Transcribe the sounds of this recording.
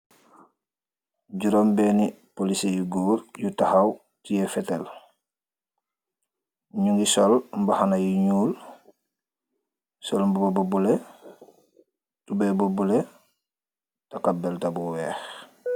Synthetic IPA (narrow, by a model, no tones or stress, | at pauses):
ɟuɾombeni | polisejuɡuːɾjutahaw | tijefetel | ɲuŋɡisolmbahanajuɲuːl | solmbubabobule | tubebubule | takabeltabuweːx